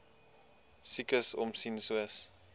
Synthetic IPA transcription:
sikəsɔmsinsuəs

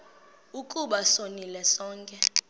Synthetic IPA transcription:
ukʼuɓasonilɛsɔːŋkʼɛ

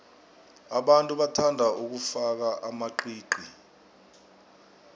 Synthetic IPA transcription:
aɓantʼuɓatʰandʱauk̬ufak̬aʔamaǃiːǃi

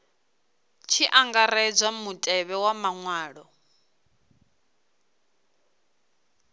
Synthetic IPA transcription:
t͡ʃʰiʔaŋɡaɾɛd͡zʷamutʼɛβɛwamaŋwaːɺɔ

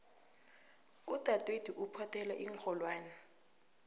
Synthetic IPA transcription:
utʼatʼwed̥ʱiʔupʰɔtʰɛlaʔiŋkʰɔlwaːnɛ

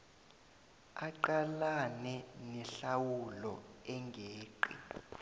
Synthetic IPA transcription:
aǃalanɛnɛɬawulɔ̰ɛŋɡʱeːǃḭ

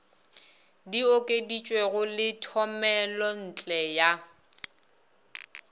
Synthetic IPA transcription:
diokʼedit͡ʃʼweɣʊlɪtʰɔmɛlɔn̩t͡ɬʼɛja

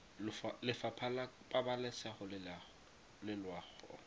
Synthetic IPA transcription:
lʊfalɪfapʰalapʼabalɛsaχʊlɪla | lɪlwaːχɔ̰

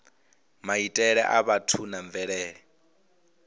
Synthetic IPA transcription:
maitʼɛɺɛʔaβatʰunaɱvɛɺɛːɺɛ

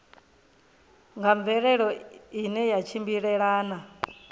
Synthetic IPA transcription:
ŋɡaɱvɛɺɛɺɔinɛjat͡ʃʰimbiɺɛɺaːna

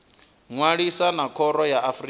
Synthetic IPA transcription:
ŋwaɺisanakʰɔɾɔjaafri

